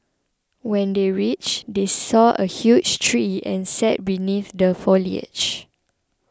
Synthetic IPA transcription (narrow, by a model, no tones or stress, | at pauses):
wɛ̃ndeɹit͡ʃdesɔʔə̰hjud͡ʒtʰɹiɛ̰̃nsɛt̚biniθdəfoliə̰d͡ʒ